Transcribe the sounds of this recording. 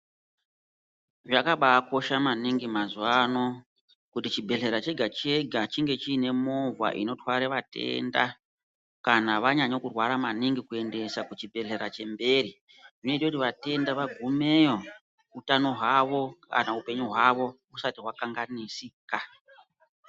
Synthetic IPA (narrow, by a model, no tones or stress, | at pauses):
ʐakaɓaːko̞ʃamaniŋɡimazuwano̞ | kutit͡ʃibʱe̞ɮe̞ɾat͡ʃe̞ɡʱat͡ʃe̞ɡʱat͡ʃiŋɡe̞t͡ʃiːne̞mo̞va̰ʔḭno̞twaɾeʋate̞̰nda̰ | kanaʋaɲaɲo̞kurwaɾamaniŋɡikue̞nde̞sakut͡ʃibʱe̞ɮe̞ɾat͡ʃe̞mbe̞ɾi | ʐino̞itekutiʋate̞ndaʋaɡʱumejo | utano̞ɦwaʋo̞ka̰naupe̞ɲuɦwaʋo̞ | usatiɦwakaŋɡanisika